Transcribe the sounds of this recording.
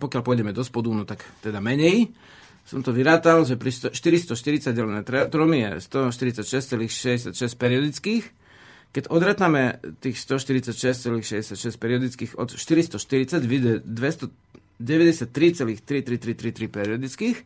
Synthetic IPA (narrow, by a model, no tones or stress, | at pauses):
pɔkɪjalʲpʊɔjɟɛmɛd̪ɔspɔd̪unɔt̪akt̪ɛd̪amɛɲɛj | sɔmt̪ɔʋiɾaːt̪alʒɛpɾist̪ɔʃt̪iɾist̪ɔʃt̪iɾit͡saɟɟɛlɛnɛt̪ɾɛt̪ɾɔmijɛ̰st̪ɔʃt̪iɾit͡sacʃɛst͡sɛliːxʃɛɟɛs̬ɪjacʃɛsc̚pɛɾiɔd̪it͡skiːx | kɛcɔd̪ɾaːt̪amɛt̪iːxst̪ɔʃt̪iɾit͡sacʃɛst͡sɛliːxʃɛɟɛsjacʃɛsc̚pɛɾiɔd̪it͡skiːxɔ̰t̪ʃt̪iɾist̪ɔʃt̪iɾit͡saɟʋid̪ɛd̪ʋɛst̪ɔ | ɟɛʋɛɟɛsɪat̪ːɾit͡sɛliːxt̪ɾit̪ɾit̪ɾit̪ɾit̪ɾipɛɾiɔd̪it͡skiːx